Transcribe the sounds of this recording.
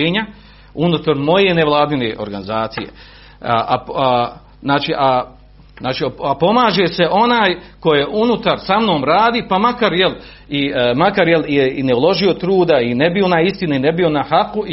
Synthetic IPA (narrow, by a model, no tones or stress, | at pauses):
eːɲa | unut̪aɾmo̞je̞neʋlˠaːd̪ineːʔo̞̰ɾɡanizaːt̪sijḛ | a | znaːt͡ʃiːʔa | znaːt͡ʃiːapo̞maːʒe̞se̞ʔo̞naːjko̞jeʔunut̪aɾsamno̞ːmɾaːd̪iːpamakaɾjel | imakaɾjeljeineulo̞ʒio̞t̪ɾuːd̪aine̞bio̞naist̪inainebio̞nahaku